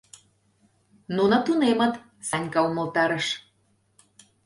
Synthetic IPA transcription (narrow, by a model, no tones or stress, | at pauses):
nunɤt̪unemət̪ | sɑnʲkɑuməlt̪ɑɾəʃ